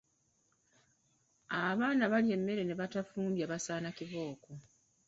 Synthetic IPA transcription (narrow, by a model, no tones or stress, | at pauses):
aβaːnaβalie̞mːe̞ɾe̞ne̞βatafuːmbjaβasaːnakiβo̞ːko